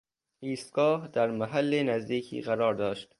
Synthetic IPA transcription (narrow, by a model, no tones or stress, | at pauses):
iːst̪ɡɒːhd̪̥æɾmæɦælːenæzd̪iːkʰḭːɣæɾɒːɾd̪ɒːʃt̪